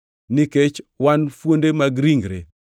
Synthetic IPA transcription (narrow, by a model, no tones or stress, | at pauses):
niket͡ʃwanfwondemaɡɾiŋɡɾḛ